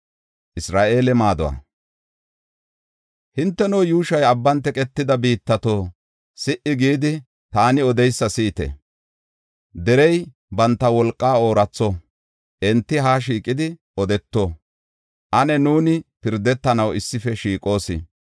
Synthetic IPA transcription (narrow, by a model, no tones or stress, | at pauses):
ʔɪsɾaːʔe̞ːlɛmaːd̪ɔwa̰ː | hɪnt̪ːɛnoːjuːʃɐjɐbːɐnt̪ːɛkʼɛt̪ːɪd̪ɐbiːt̪ːɐt̪o̞ː | sɪʔɪɡiːd̪ɪ | t̪aːnɪɔd̪ɛjsːɐsiːt̪ɛ̰ | d̪ɛɾɛj | bɐnt̪ːɐwɔlkʼːaːo̞ːɾɐt͡sːo | ʔɛnt̪ːɪɦaːʃ̬iːkʼɪd̪ɪ | ɔd̪ɛt̪ːo̞ː | ʔɐnɛnuːnɪpɪɾd̪ɛt̪ːɐnɐwɪsːɪfɛʃiːkʼo̞ːsɪ̰